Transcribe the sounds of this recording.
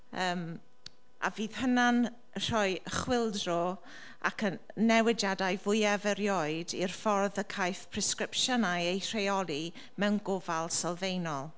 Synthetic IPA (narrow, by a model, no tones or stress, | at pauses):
əːm | ʔa̰viːð̥hənan | r̥ɔjχwɪlˠdrɔ | a̰kʰən | nːɛwɪd͡ʒjadajvʊjavəɾjɔːɨdḭrfɔrðəkʰajθpʰrɛskɾɪpʃənajejr̥ejɔli | mɛwnɡʊvalˠsɔlˠvejnɔlˠ